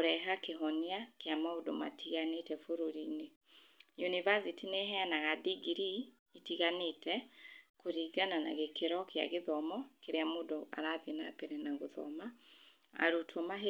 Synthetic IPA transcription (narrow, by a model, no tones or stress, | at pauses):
oɾɛɦakeɦɔniakejamaodo̰ma̰tʰiɣanetɛfoɾoɾiːne | junivazitineɦɛanaɣadiɡiɾiː | tiɣanetɛkoɾiɡanana̰ɣekeɾɔkea̰ɣeðɔmɔkeɾeamoːdoʔa̰ɾaðenapeɾɛnaɣoðɔ̰ma̰ː | ɾutʰomaɦe